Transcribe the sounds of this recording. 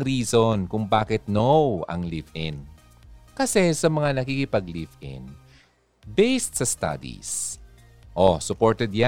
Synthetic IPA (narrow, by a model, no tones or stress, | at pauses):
ɾiːsonkʊŋbaːkɪt̪̚nowɐ̰ŋlifɪn | kɐsɛsɐmɐŋanɐkikɪpɐɡlivɪ̰n | bejst̪̚sɐst̪a̰d̪ḭs | ʔosʊpoɹt̪ɛd̪̚ja